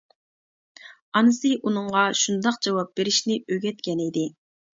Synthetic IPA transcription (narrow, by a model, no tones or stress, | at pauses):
ɑnɨsɨʔunɨɴʁɑʃund̪ɑq̚d͡ʒɑwɑp̚b̥eɾɪʃnɪʔøɡʲɛt̪̚kʲɛnid̪ɪ